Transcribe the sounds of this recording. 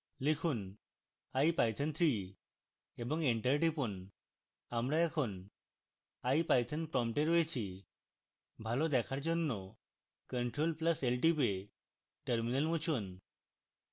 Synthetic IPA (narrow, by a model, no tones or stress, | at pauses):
likʰun | ajpajt̪ʰənt̪ʰɾi | ebɔŋeɳʈəɾʈipun | amɾaɛkʰon | ajpajt̪ʰənpɾɔmpʈeɾojet͡ɕʰi | bʱalod̪ɛkʰaɾd͡ʑonːo | kəɳʈɾolplaselʈipe | ʈəɾminəlmut͡ɕʰon